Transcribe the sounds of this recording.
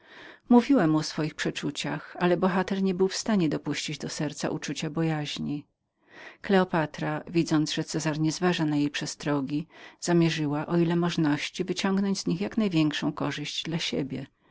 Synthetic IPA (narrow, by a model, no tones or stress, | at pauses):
muvʲiwɛmuɔsfɔjixpʂɛt͡ʂut͡ɕaxalɛbɔxat̪ɛɾɲɛbɘwfst̪aɲɛd̪ɔpuɕt͡ɕid͡ʑd̪ɔsɛɾt̪sa̰ʔut͡ʂut͡ɕabɔjaʑɲi | klɛɔpat̪ɾavʲid̪zɔnd̪zʐɛt̪sɛzaɾɲɛzvaʐanajejpʂɛst̪ɾɔɡʲiz̥amʲjɛʐɘwaʔɔilɛmɔʐnɔɕt͡ɕivɘt͡ɕɔŋɡnɔɲd͡ʑzɲixjaknajvʲjɛŋkʂɔ̃w̃kɔʐɘʑd͡ʑd̪laɕɛ̰bʲjɛ